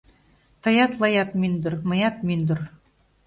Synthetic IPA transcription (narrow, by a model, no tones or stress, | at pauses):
t̪ɤ̆jɑt̪lˠɤjɑt̪mynd̪ŏrmɤ̆jɑt̪̚mynd̪ŏr